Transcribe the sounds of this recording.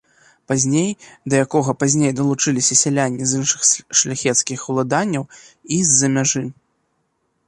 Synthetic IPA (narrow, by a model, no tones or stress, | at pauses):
pazʲnʲejd̪ɐjakɔɣɐpazʲnʲejd̪ɐlˠut͡ʂɨlʲisʲɐsʲɛlʲanʲːizɨnʂɨxʂlʲaxʲɛt̪skʲixwlˠad̪anʲːɐwizʲːɐmʲaʐɨ